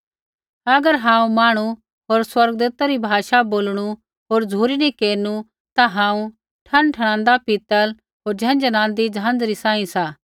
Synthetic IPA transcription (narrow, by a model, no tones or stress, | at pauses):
ɐɡəɾɦãːũmaːɽ̃u | ɦoːɾswɐɾɡd̪uːt̪aɾibʱaːʃaboːlɽ̃u | ɦoːɾd͡zʱuːɾinĩkeːɾnu | t̪aɦãːũ | ʈʰɐ̃nʈʰɐɽ̃ãːnd̪apit̪əl | ɦoːɾd͡ʒʱɛ̃ːnd͡ʒənãːnd̪id͡ʒãːnd͡zɾisãːĩsaː